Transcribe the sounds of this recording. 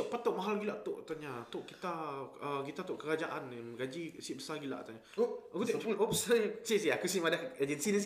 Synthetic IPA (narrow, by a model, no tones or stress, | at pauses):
ʔpat̪oʔmaɦalɡilaʔt̪oʔt̪aɲat̪oʔkit̪aəɡit̪at̪oʔkəɾad͡ʒaʔanməɡad͡ʒisibəsaɡila̰ʔt̪aɲakut̪opsəɲasisiakusimadaəd͡ʒənsinəs